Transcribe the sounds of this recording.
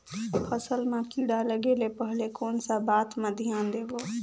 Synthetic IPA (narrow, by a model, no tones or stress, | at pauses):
pʰəsəlmãkiːɽaləɡeːlepəɦlekoːnsabaːt̪mə̃d̪ʱijaːnd̪eːɡoː